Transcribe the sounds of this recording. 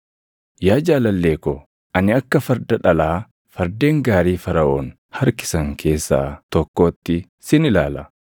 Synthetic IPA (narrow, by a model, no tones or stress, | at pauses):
jaːd͡ʒaːlɐlːe̞ːkɔ | ʔɐnɪɐkːɐfɐɾd̪ɐᶑɐlaː | fɐɾd̪eːŋɡaːɾiːfɐɾɐʔoːn | hɐɾkɪ̥sɐŋkʰe̞ːsːa̰ːt̪ɔkːo̞ːt̪ːɪ | sɪnɪla̰ːlɐ